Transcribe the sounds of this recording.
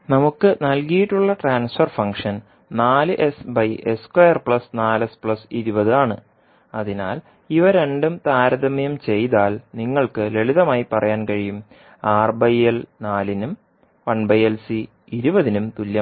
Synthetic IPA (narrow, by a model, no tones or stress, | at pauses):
nɐmukːɨnɐlkijiʈːuɭːɐʈraːnsfɐrfɐŋkʂɐn | naːlɨʔe̞sbɐjʔeskwojɐrpɭɐsnaːlespɭɐsiɾubɐðɨaːɳɨ | ɐðina̰ːl | iʋɐɾe̞ɳɖumt̪aːɾɐðɐmɐjɐmt͡ɕe̞jt̪aːlniŋːɐɭkɨle̞ɭiðɐmaːjipɐrɐjaːnkɐɻijum | aːrbɐjelnaːlinum | ʋɐɳbɐjelsi | iɾubɐðinumt̪ulːjɐm